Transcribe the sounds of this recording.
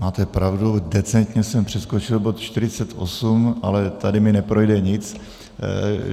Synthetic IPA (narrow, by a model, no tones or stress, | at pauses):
maːt̪ɛpɾavdudɛt͡sɛnt̪ɲɛsɛmpr̝̥ɛsko̞t͡ʃɪlbo̞t̪t͡ʃt̪ɪɾɪt͡sɛt̪ʔo̰sumʔa̰lɛt̪adɪmɪnɛpɾojdɛɲɪt͡s